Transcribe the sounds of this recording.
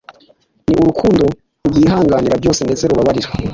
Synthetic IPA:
niʔuɾukʰuːndo̞ | ɾuɡiːɦaːŋɡaːniɾabɟo̞ːsendezeɾuβaβaɾiɾe

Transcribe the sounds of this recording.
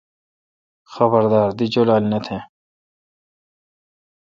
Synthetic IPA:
xɐbɐɾd̪aːɾd̪id͡ʑolaːlnet̪ʰẽ

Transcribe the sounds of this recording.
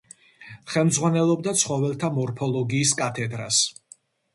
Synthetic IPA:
χɛlmd̪zʁwanɛlˠɔbd̪at̪sʰχɔvɛlˠt̪ʰamɔɾpʰɔlˠɔɡiːskʼat̪ʰɛd̪ɾas

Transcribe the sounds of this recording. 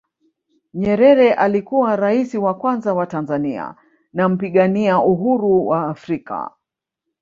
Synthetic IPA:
ɲɛɾɛɾɛʔalikuwaɾaisiwakwanzawatanzania̰ | nam̩piɠaniaʔuɦuɾuwaːfɾika̰

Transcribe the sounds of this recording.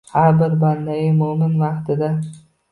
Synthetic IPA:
haɾbɪɾband̪ajɪmʊmɪnvɑqt̪ʰɪd̪a

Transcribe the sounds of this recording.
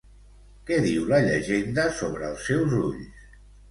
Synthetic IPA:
kɛðiwləʎəʒend̪əsoβɾəːlˠsːɛwzuʎs

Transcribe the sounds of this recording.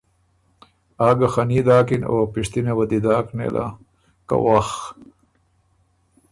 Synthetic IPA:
aːɡaxaniːd̪aːkinoːpɪʂt̪inewɐd̪id̪aːknḛlʔa̰ | ka̰wax

